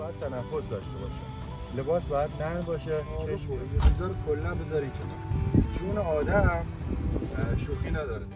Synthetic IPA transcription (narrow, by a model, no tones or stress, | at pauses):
ɒːjæd̪̥̚t̪ʰænæfːo̞sd̪ɒːʃt̪e̞bɒ̰ːʃḛ | le̞bɒːsbɒːjæd̪̥̚nænbɒːʃeeʃezɒɾkʰolːæmbezɒːɾiːt͡ʃʰe | d͡ʒʰuːneɒːd̪æm | ʃuːxiːnæd̪ɒːɾe